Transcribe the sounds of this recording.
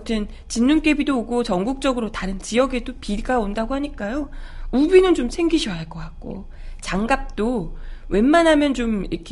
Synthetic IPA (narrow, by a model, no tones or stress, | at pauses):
tʰɯn | t͡ɕinːunk͈e̞bidooɡot͡ɕʌŋɡuk̚t͡ɕ͈ʌɡɯɾotaɾɯnt͡ɕijʌɡe̞dopiɡaondaɡohaɲik͈ajoubinɯnt͡ɕomsʰeŋɡiɕʰʌaɭk͈ʌk͈ak̚k͈o̰ | t͡ɕaŋɡap̚t͈owe̞nmanɦamjʌnt͡ɕomiɾʌkʰe